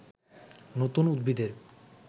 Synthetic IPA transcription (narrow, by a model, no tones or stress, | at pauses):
not̪unud̪bid̪eɾ